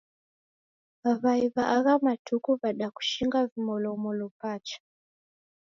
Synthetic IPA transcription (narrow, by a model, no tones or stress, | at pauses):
aβaiβaʔːɣamatʰukuβaɗaku̥ʃiŋɡavimɔlomɔlopaːt͡ʃḁ